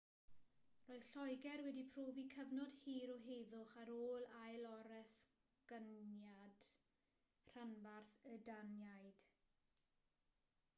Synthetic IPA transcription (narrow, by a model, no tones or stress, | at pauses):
roːɨðɬɔjɡɛrwɛdipʰroːvikʰəvnɔd̥hiːɾɔɦejðʊχaɾoːlˠajlˠɔɾɛs | ɡ̥ənjad̥ | r̥anvarθədanjajd̥